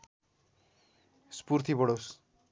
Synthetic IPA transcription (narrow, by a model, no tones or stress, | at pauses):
spuɾt̪ʰibɔɽos